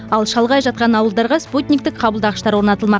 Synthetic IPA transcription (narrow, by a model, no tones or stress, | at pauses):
ɑlˠʃɑlˠʁɑjʒɑt̪̚qɑnɑwəlˠd̪ɑɾʁɑsput̪ʲnʲik̚t̪ɪkqʰɑbəlˠd̪ɑʁəʃt̪ɑɾwo̞ɾnɑt̪əlˠmɑq